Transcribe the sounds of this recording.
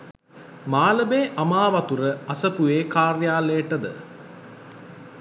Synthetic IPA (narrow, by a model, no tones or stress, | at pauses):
maːləbeːʔamaːʋat̪uɾəasəpuʋeːkaːrjaːleːʈəd̪ə̰